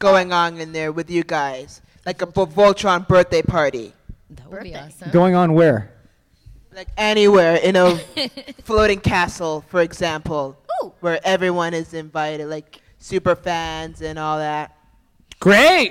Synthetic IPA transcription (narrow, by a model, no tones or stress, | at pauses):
ɡ̥oʊɪ̃ŋə̃nɨ̃nðə˞wɨðjɨɡaɪz̥ | laɪkəvolˠt͡ʃə˞ə̃nbɜ˞θd̥eɪpʰɑɹɾḭ | ɡoʊɪ̃ŋə̃nwə˞ | laɪkɛñiwɛɹɪ̃nə | floʊɾɪ̃ŋkʰæsl̩ˠfə˞ɨɡzæ̃mpl̩ˠwə˞ʔɛvɹiwʌ̃nɪzɨ̃ɱvaɪɾɨd̥laɪk | sʉpə˞fæ̃nzɨ̃nɔlˠðæt̚ | ɡ̥ɹeɪt̚